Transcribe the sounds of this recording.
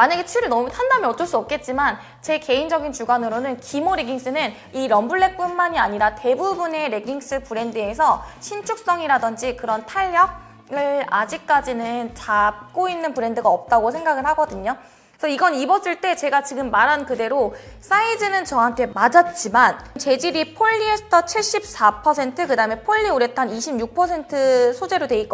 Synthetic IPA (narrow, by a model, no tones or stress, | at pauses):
maɲaɡe̞t͡ɕʰɥiɾɯɭnʌmutʰandamjiʌt̚t͡ɕ͈ʌɭs͈uʌp̚k͈e̞t̚t͡ɕ͈iman | t͡ɕe̞ke̞ind͡ʑʌɡint͡ɕuɡanɯɾonɯnkimoɾeɡiŋs͈ɯnɯn | iɾʌmbuɭːe̞k̚p͈umːaɲiaɲiɾate̞bubune̞ɾe̞ɡiŋs͈ɯpuɾe̞ndɯe̞sʰʌɕʰint͡ɕʰuk̚s͈ʌŋiɾadʌnd͡ʑikɯɾʌntʰaʎːak̚ | ɯɭad͡ʑik̚k͈ad͡ʑinɯnt͡ɕap̚k͈oinːɯnpɯɾe̞ndɯɡaʌp̚t͈aɡosʰe̞ŋɡaɡɯɭhaɡʌdɯɲo | sʰʌiɡʌnibʌs͈ɯɭt͈e̞t͡ɕe̞ɡat͡ɕiɡɯmːaɾankɯde̞ɾos͈aidɯnɯnt͡ɕʌɦantʰe̞mad͡ʑʌt̚t͡ɕ͈imant͡ɕe̞d͡ʑiɾipʰoʎːiestʰʌt͡ɕʰiɭɕ͈ip̚s͈apʰʌs̬ʰe̞ntʰɯkɯdaɯme̞pʰoʎːioɾe̞tʰaniɕʰimjuk̚pʰʌsʰe̞ntʰɯsʰod͡ʑe̞ɾodwe̞ik͈ʌ